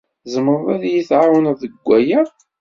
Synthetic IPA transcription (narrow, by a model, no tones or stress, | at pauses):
zəməɾˤvæðjiθʕawənðəɡʷːæjæ